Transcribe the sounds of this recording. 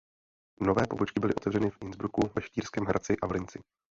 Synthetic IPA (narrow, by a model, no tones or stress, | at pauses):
novɛːpo̞̰bot͡ʃkɪbɪlɪʔo̞t̪ɛvrɛnɪfʔɪnzbɾukuvɛʃt̪iːrskɛːmɦɾʔat͡sɪʔavlɪnt͡sɪ